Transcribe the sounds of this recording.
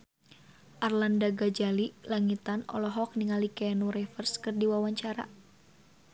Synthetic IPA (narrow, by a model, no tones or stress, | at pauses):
ʔarlandaɡad͡ʒalilaŋit̪anɔ̰lɔɦɔk̚niŋalikɛnuɾɛfərskɨrdiwawaɲt͡ʃaɾa̰